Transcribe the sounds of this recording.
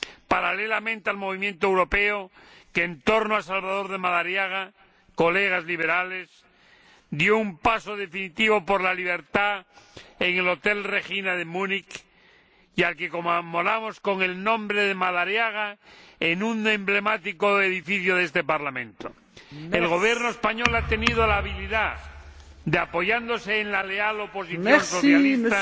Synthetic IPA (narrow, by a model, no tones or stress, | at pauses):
paɾalelamẽnt̪ealmo̞βimjent̪oewɾopeokeːnt̪o̞ɾnoasalβaðo̞ɾðemaðaɾjaɣ̞a | ko̞le̞ɣ̞azliβ̞e̞ɾale̞s | d̪joumpasoð̞e̞finit̪iβopoɾlaliβ̞eɾt̪a | eŋelo̞t̪elre̞xinaðemunik | ialkekommolamo̞sko̞ŋe̞lnõ̞mbɾeðemaðaɾjaɣ̞aenũne̞mble̞mat̪ikoeðifiθjoðest̪e̞paɾlamẽ̞̰nt̪o | elɣo̞β̞je̞ɾnoespaɲo̞lat̪e̞nið̞olaːβiliða | d̪eapo̞ʝand̪o̞seːnlale̞alo̞po̞siθonso̞θjalist̪a